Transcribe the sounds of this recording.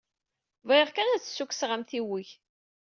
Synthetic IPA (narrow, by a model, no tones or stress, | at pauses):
vjʁkænæt͡sːsːukːsʁamθiwiç